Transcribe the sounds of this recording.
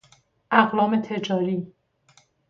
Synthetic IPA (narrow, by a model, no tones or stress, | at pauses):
ʔæɣlɒːme̞t̪ʰe̞d͡ʒɒːɾiː